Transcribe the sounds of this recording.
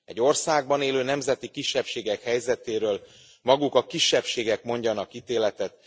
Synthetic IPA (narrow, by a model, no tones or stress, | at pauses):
ɛ̰ɟːo̞rsaːɡ̚bɒneːløːnɛmzɛt̪ikiʃːɛpʃeːɡɛkhɛjzɛt̪eːɾøːl | mɒɡukɒkiʃːɛpʃeːɡɛkmo̞ɲɟɒnɒkit̪eːlɛt̪ɛt̪̚